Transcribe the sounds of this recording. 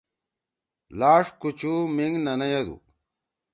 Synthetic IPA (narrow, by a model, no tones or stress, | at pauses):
laːʂkut͡ɕumiŋɡnɐnɐjɐd̪ṵ